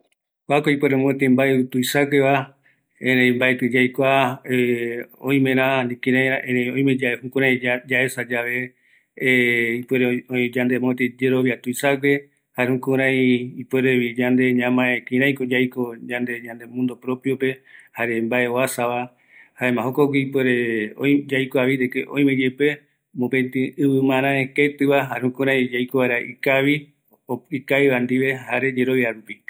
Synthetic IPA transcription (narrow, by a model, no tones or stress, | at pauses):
oakoipweɾemõet̪̬embaeut̪uisaɡeβa | ẽɾẽĩmbaet̪ɨd͡ʒajkʷaeõĩmẽɾãnĩkĩɾãjaẽɾẽõj̃med͡ʒaehũkũɾãĩd͡ʒaesad͡ʒaʋe̞ | ipeɾeod͡ʒand̪emõt̪ed͡ʒeɾo̞βiat̪uisaɡe | haehũkũɾ̃ãj̃ipwe̞ɾeβid͡ʒand̪e̞ɲãmãekĩɾ̃ãj̃kod͡ʒajkod͡ʒãnd̪e̞ɲãnd̪emũnd̪opɾo̞pjope̞haɾe̞mbaʔe̞oasaʋa | haemãɦokokiipweɾeod͡ʒajkoaβiɾekeʔõ̰j̃med͡ʒepe | mõpet̪ɨ̃ɨβɨmãɾ̃ãeket̪ɨʋaɦahũkũɾãj̃d͡ʒajkoβaeɾaʔḭkaβi | oikaiβand̪iʋe̞haɾe̞d͡ʒe̞ɾo̞βjaɾupi